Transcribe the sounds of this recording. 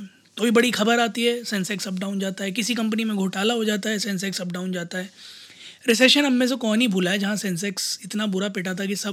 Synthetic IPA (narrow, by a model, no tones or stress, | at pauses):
t̪obibɐɽixɐbəɾaːt̪iɦɛːsɛ̃nsɛːksɐb̚ɖaːʊnd͡ʒaːt̪aɦɛk̬ɪsikɐ̃mp̬ənimẽɡʱoːʈaːlaɦod͡ʒaːt̪aɦɛsɛ̃nsɛksɐbɖaːʊ̃nd͡ʒaːt̪aɦɛː | ɾɪs̬eːʃənɦɐmːẽs̬ekɔːnɦibʱuːlaɦɛd͡ʒɐɦãsɛ̃ns̬ɛksɪt̪nabʊɾapɪʈaːt̪̬ʰak̬isɐb